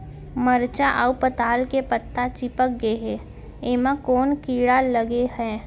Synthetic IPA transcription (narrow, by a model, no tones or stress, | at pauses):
məɾt͡ʃaʔaupət̪aːlkepət̪ːat͡ʃɪpək̚ɡeɦe | eːmãkɔːnkiːɽaləɡehɛː